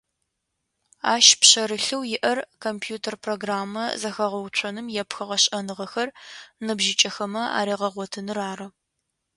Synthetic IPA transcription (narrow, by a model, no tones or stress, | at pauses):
a̰ːʃpɕɐɾɨɬɨwjɪʔɐrkʰompʰjuːtʰɐrpʰroːɡraːmːɐzɐxɐʁɐwt͡ʃʷʰɐnɨmjɛpxɐʁɐɕʼɐnɨʁɐxɐrnɨbʒɪt͡ʃʼɐxɐmɐa̰ːɾiːʁɐʁʷɔtʰɨnɨraːrɨ